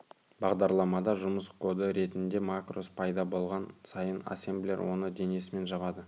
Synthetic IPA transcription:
bɑʁd̪ɑɾlˠɑmɑd̪ɑʒʊməskʰo̞d̪əɾe̞t̪ɪnd̪e̞makro̞spʰɑjd̪ɑbo̞lˠʁɑnsɑjəna̰semblʲeɾwo̞nəd̪e̞ne̞sɪme̞nʒɑbɑd̪ə

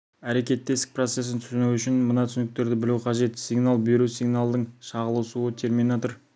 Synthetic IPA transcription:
æɾe̞kʲe̞t̪ːe̞st̪ɪ̥k̚pro̞t̪se̞s̬ɪnt̪ʰʏ̥sɪnuʏʃɪnmənɑt̪ʰʏsnɪk̚t̪e̞ɾd̪ɪbɪluqʰɑʒe̞t̪sʲiɡnalˠbijɾusʲiɡnalˠd̪əɴʃɑʁəlˠəwsuət̪ʰe̞rminat̪oɾ

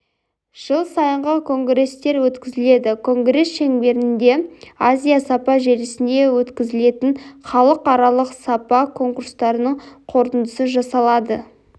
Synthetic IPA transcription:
ʒ̥əlˠsɑjəɴʁəkʰo̞ŋɡɾe̞st̪e̞ɾwɵt̪kʲɪzɪle̞d̪ɪkʰo̞ŋɡɾe̞sʃe̞ŋbe̞ɾɪnd̪e̞azʲijasɑpɑʒe̞ɾɪsɪnd̪e̞wɵt̪kʲɪzɪle̞t̪ɪɴχɑlˠəqɑɾɑlˠəqsɑpɑkʰo̞ŋkuɾst̪ɑɾənəɴqʰo̞ɾt̪ənd̪əsəʒɑsɑlˠɑd̪ə

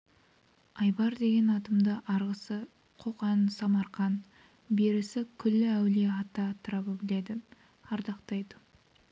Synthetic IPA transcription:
ɑjbɑɾd̪e̞ɡʲe̞nɑt̪əmd̪əʔɑɾʁəsə | qʰo̞qɑnsɑmɑɾχɑn | beɾɪsɪkʲʰʏlːɪæwle̞ɑt̪ːɑt̪ʰəɾɑbəbɪle̞d̪ɪ | ɑɾd̪ɑqt̪ɑjd̪ə

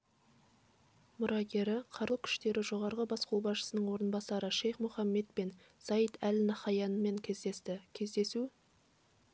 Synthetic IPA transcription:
mʊɾʔɑɡʲe̞ɾɪqʰɑɾəlˠkʲʰʏ̥ʃt̪e̞ɾɪʒo̞ʁɑɾʁəbɑsqʰuwˠbɑsʃə̥sənəɴwo̞ɾənbɑsɑɾəʃe̞jχmʊχɑmːe̞t̪pen | sɑjət̪ʰælɪnɑχɑjɑnəme̞ŋkʲʰezest̪ɪkʲʰe̞zd̪e̞su

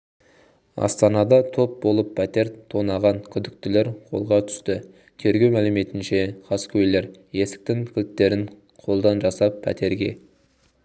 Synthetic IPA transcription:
ɑ̰st̪ɑnɑd̪ɑt̪ʰo̞p̚bo̞lˠəpʰːæt̪e̞ɾt̪ʰo̞nɑʁɑnkʲʰʏd̪ɪk̚t̪ɪle̞ɾqʰo̞̰lˠʁɑt̪ʰʏ̥st̪ɪ | t̪ʰe̞ɾɡʲe̞wmælɪme̞t̪ɪnʃe̞χʰɑskʲʰɵjle̞ɾje̞sɪ̥k̚t̪ɪŋkʲʰɪlt̪t̪ːe̞ɾɪn | qʰo̞lˠd̪ɑnʒɑsɑpʰːæ̰t̪ʰe̞ɾɡʲe̞̰

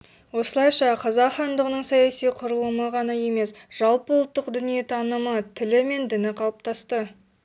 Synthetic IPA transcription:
wo̞səlˠɑjʃɑqʰɑzɑqχɑnd̪əʁənəɴsɑjɑsijqʰʊɾəlˠuməʁɑnɑje̞me̞sʒ̥ɑlˠpəwlˠət̪ːəqd̪ʏnije̞t̪ʰɑnəmət̪ʰɪlɪme̞nd̪ɪnɪqʰɑlˠəp̚t̪ʰɑst̪ə

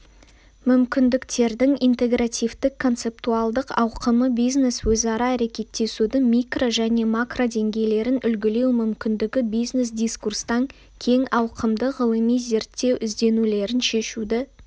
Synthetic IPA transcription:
mʏmkʲɪnd̪ɪkt̪e̞ɾd̪ɪŋijnt̪e̞ɡrat̪ijvd̪ɪkʰːo̞nt̪se̞p̚t̪ualˠd̪əqɑ̰wqəməbijzne̞swɵzɑɾɑːɾe̞kʲe̞t̪ːe̞sud̪ɪŋmʲijkro̞ʒæne̞makrod̪e̞ŋɡʲe̞jle̞ɾɪnʏlɡʲɪle̞wmʏmkʲɪnd̪ɪɡʲɪbijzne̞s̬d̪ʲijskurst̪ɑŋ | kʲʰe̞ŋɑwqʰəmd̪əʁəlˠəmijze̞ɾt̪ːe̞wɪzd̪e̞nule̞ɾɪnʃe̞ʃud̪ɪ

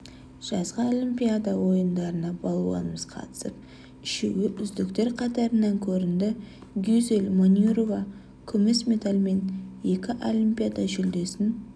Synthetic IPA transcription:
ʒ̥ɑzʁɑolʲˠimpʲijad̪ɑwo̞jənd̪ɑɾənɑbɑlˠuwɑ̰nəməz̥qʰɑ̰t̪ə̥səp̚ | ɪʃeɡɪʔʏzd̪ɪkt̪e̞ɾqʰɑt̪ɑɾənɑŋkʲʰɵɾɪnd̪ɪ | ɡʲyzelʲmonʲuɾova | kʲʰʏmɪsmʲe̞t̪alʲme̞nje̞kʲɪʔolʲˠimpʲijad̪ɑʒʏld̪e̞sɪn

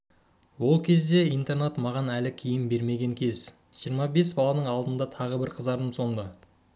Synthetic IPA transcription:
wo̞lˠkʲʰe̞zd̪e̞ijnt̪e̞rnet̪mɑʁɑnælɪkʲʰijɪmbe̞ɾme̞ɡʲe̞ŋkʲʰe̞z̥ | ʒ̥ijəɾmɑbe̞sbɑlˠɑnəɴɑlˠd̪ənd̪ɑt̪ʰɑʁəbɪɾqʰəzd̪ɑɾd̪əmso̞ɴd̪ə

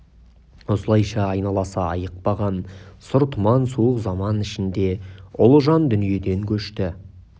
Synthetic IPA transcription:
osəlˠɑjʃɑːjnɑlˠɑsɑɑjəq̚pɑʁɑnsʊɾt̪ʊmɑnsuəqzɑmɑnɪʃɪnd̪e̞ʊlˠʒɑnd̪ʏnije̞d̪e̞ŋkʲʰɵʃt̪ɪ

